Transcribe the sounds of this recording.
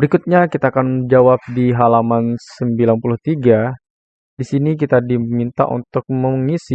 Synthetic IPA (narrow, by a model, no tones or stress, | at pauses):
bəɾikut̪̚ɲakit̪aːkand͡ʒawap̚diɦalamansəmbilanpulʊht̪iɡa | disinik̬it̪adimint̪a̰ʔṵnt̪ʊk̚məŋisi